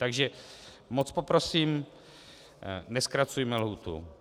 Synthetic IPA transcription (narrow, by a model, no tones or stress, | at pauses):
t̪aɡʒɛ | mot͡spopɾo̞siːm | nɛskɾat͡sujmɛlɦuːt̪ṵ